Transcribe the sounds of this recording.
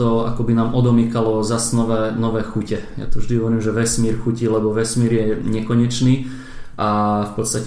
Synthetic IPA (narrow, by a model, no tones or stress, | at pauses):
ɔa̰kɔbinaːmʔɔd̪ɔmikalɔzasnɔʋɛːnɔʋɛːxucɛja̰t̪ɔʋʒd̪iɦɔʋɔɾiːmʒɛʋɛsmiːɾxucilɛbɔʋɛsmiːɾjɛɲɛkɔɲɛt͡ʃniː | ʔafpɔt̪st̪ac